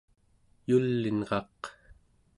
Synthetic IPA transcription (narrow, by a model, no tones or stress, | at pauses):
julːinʁɑq